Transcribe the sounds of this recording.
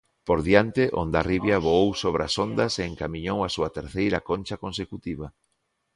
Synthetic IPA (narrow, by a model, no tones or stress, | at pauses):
poɾðiant̪ɪʔond̪ariβjaβoowsoβɾasond̪ɐseːŋkamĩɲowasuɐt̪eɾθejɾɐkonʲt͡ʃɐkonsekut̪iβɐ